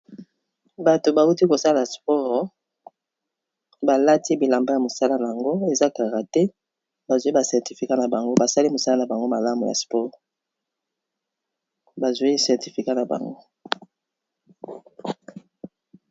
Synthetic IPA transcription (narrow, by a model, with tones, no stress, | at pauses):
ba˨to˨ba˨u˦ti˦ko˨sa˦la˨spɔ˦ʁ | ba˨la˦ti˦bi˨la˨mba˦ja˨mo˨sa˦la˦na˨ja˨ŋɡo˦e˨za˦ka˨ʁa˨tɛ˦ | ba˨zo˨˦i˦ba˨sɛ˨ʁti˨fi˨ka˦na˨ba˨ŋɡo˦ba˨sa˦li˦mo˨sa˦la˦na˨ba˨ŋɡo˦ma˨la˦mu˨ja̰˨spɔ˦ʁ | ba˨zo˨i˦sɛ˨ʁti˨fi˨ka˦na˨ba̰˨ŋɡo˦